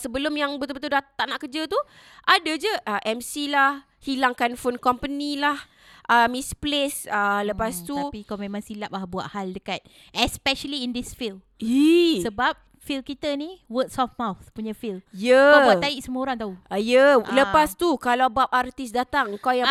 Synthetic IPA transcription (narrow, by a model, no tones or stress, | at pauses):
səbəlʊmjaŋbət̪ubət̪̬udat̪aŋnaʔkəd͡ʒət̪u | ʔadəd͡ʒəʔəʔɛmsilah | hilaŋkanfonkɔmpənilah | ʔəmisplesələpast̪uapikawmemãŋsilap̚lahbua̰ʔ̪haldəkat̪̚ | ɛspɛʃəliːndisfilm | isəbap̚ | filkit̪əniwətsɔfmawθpuɲafiljəabbuat̪ːaiʔsəməoɾaŋt̪auəjələpast̪ukalawbap̚art̪isdat̪aŋəŋkawja